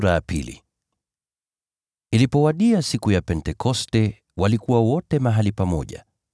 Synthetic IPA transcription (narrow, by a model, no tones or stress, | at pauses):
ɾajapḭlḭ | ilipɔwaɗiasikujapɛntɛkɔstɛ | walikuwawɔtɛmaɦalipamɔ̰ʄa̰